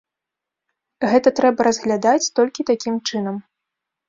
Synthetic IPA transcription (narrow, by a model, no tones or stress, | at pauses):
ɣɛt̪ɐt̪ɾɛbɐɾɐzɣlʲad̪at͡sʲt̪ɔlʲkʲit̪akʲimt͡ʂɨn̪ɐm